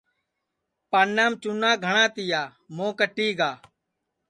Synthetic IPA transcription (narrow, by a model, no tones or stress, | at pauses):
panːaːmt͡ʃunãːɡʱəɳãːt̪ɪjaː | mõːkəʈːiːɡaː